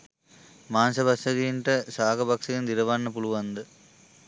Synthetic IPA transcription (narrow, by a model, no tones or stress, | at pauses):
maːnsɐbɐsɐðinʈɐsaːɣɐbɐksɐjɐnd̪ɪɾɐʋaːnːɐpuɭuʋɐnd̪ɯ